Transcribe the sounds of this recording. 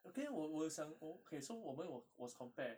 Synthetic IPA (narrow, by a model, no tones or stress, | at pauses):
okewɔwəsãnokʰesowɔmə̃nwɔwɔskʰɔ̃mpɛ